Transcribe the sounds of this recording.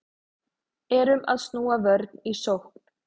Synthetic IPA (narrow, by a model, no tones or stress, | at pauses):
ɛɾʏma̰ðst̪nuːavœɾt̪nisowhk̚n̥